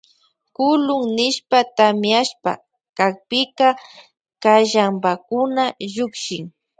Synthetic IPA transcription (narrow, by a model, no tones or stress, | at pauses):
kʊlʊŋnɪʃpat̪amjaʃpa̰ | kak̚pɪka | kaʒambakʊnaʒʊkʃɪŋ